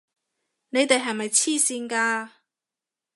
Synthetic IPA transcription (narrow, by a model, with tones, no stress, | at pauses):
ne˨˧jt̪e˨jɦɐ˨jmɐ˨jt͡sʰiː˥siː˧nkaː˧